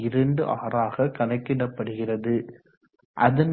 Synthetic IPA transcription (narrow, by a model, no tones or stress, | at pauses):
ɪɾɐɳɖɯʔaːɾaːɣɐkɐnɐɪkːɪɽɐpːɐɽɯɣɪrɐðɯ | ʔɐðɐn